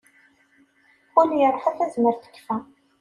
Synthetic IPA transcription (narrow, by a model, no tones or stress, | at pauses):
ʊljərˤːħæθæzməɾθə̥kːfæ